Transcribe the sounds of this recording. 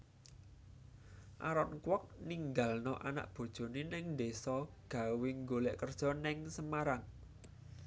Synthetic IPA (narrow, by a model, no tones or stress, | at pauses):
ʔa̰ɾɔnkwɔk̚niŋɡalnɔʔana̰ʔb̥o̤d̥ʒ̥o̤nenɪŋnd̪esɔɡ̥ä̤weŋɡolɛʔkərd̥ʒ̥ɔ̤nɪŋsəmaɾaŋ